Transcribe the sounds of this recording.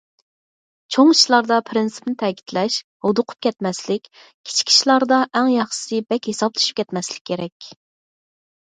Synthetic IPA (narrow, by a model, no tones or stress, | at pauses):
t͡ʃʰoŋiʃlˠɑɾd̪ɑpʰɾɪnsɨ̥pnɪt̪ʰɛkʲi̥t̪ʰlɛʃ | hod̪ʊqʰʊ̥p̚kʲɛt̪mɛslɪkʲ | kʲʰi̥t͡ʃʰi̥kʲʰi̥ʃlˠɑɾd̪ɑʔɛŋjɑχʃɨ̥sɨbɛkʲhesɑblˠɨʃy̥p̚kʲɛt̪mɛslɪkʲʰːeɾɛkʲ